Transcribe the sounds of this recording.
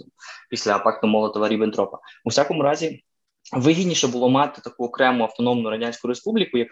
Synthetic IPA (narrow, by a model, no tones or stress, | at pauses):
pʲisʲlʲɐːpɑkt̪ɔmɔlˠɐt̪ɔʋɐɾʲibɪnt̪ɾɔpɐusʲakɔmʊɾɑzʲi | ʋɪɦʲid̪ʲnʲiʃɛbʊlˠɔmɑt̪ɪ̥t̪ɐkuɔkɾɛmʊɐwt̪ɔnɔmnʊɾɐdʲanʲsʲkʊɾespublʲikʊjɐk